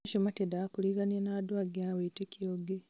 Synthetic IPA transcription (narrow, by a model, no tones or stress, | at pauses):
ʃomatedakuliɡanenad̪waɡiaweitekioɡe